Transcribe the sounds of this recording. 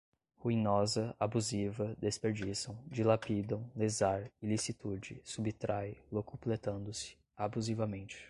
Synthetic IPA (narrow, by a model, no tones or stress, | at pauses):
huinɔzɐabuzivɐd̪espeɾd͡ʒisɐ̃w̃d͡ʒilapid̪ɐ̃w̃lezaɾɪlisit̪ud͡ʒɪsubɪt̪ɾʔajlokuplet̪ɐ̃nd̪ʊsɪ̥ | abuzivɐmẽnt͡ʃɪ̥